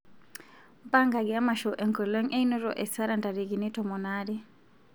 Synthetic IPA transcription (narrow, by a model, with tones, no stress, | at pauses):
mba˦ŋɡa˨ɡɛ˨a˦maʃɔʔɛ˨ŋkɔ˨lɛ˦ŋʔɛ˦inɔ˦ɾɔ˨ʔɛ˨sa˦ɾanda˨ɾiɡinitɔmɔnaɾi